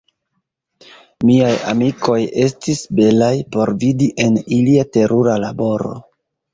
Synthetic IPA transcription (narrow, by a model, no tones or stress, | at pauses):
miaja̰miko̞je̞stisbe̞lajpo̞ɾvidiʔe̞niliate̞ɾʔuɾalabo̞ɾo̞̰